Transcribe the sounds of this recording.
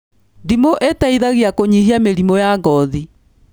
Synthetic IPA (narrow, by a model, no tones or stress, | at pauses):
ndimoʔetaiðaɣiakoɲiɦiameɾimojaɡɔði